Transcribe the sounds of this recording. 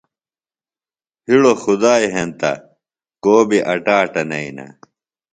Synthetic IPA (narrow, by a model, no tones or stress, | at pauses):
hiɽoxud̪aːjɦent̪ɐ̰ | koːbiʔɐʈaːʈɐnɐinɐ̰